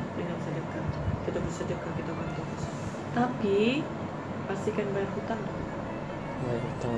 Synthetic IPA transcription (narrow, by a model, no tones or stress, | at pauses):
ənabisadəɡatkit̪abisadəɡakit̪awant̪ɔasḁ | t̪api | past̪ikanbajarɦut̪aŋt̪ʊ | baaɾhut̪a